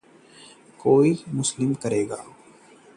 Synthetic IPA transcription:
koːimʊslɪmkɐɾeːɡa̰ː

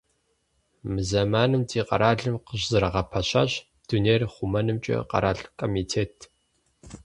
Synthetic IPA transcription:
mɨzɐmaːnɨmtʰiːqɐ̰ɾaːɮɨmqəʑzɨɾɐʁɐpʰɐɕɐ̰ɕ | d̥uneːrχʷʊmɐnɨmt͡ʃʼɐ̰qɐ̰ɾaːɬkʰʼoːmiːtʰeːtʰ

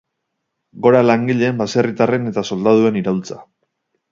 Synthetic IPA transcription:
ɡo̞ɾalaŋɡiʎe̞ːmbase̞rit̪are̞ne̞t̪aso̞ld̪að̞ue̞niɾawlt͡sa

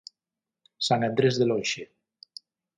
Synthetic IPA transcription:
sanend̪ɾezðelojʃe

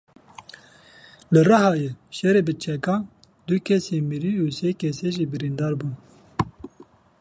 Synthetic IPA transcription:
lɨɾɑɦɑːjeʃɛɾeːbɨt͡ʃʰɛkɑː | d̪ukʰɛseːmiɾiuːseːkʰɛseʒiːbɨɾind̪ɑːɾbuːn

